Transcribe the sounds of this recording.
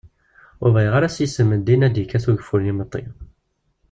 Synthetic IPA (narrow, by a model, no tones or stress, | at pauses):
ʊɾvæjʁaɾæsjisəmːəd̪inæd̪jikːæθuʝəfulnimət̪ˤːḭ